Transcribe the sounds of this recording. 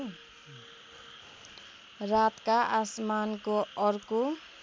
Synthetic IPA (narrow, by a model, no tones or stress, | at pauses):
rat̪kaʔasmankoʌrko